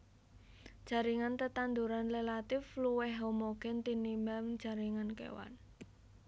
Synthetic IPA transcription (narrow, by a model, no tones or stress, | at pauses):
d̥d͡ʒʒ̥a̤ɾiŋant̪ət̪and̪uɾanlelat̪ɪfluwɛɦɦomoɡ̥ɛnt̪inimamd̥ʒ̥a̤ɾiŋankḛwa̰n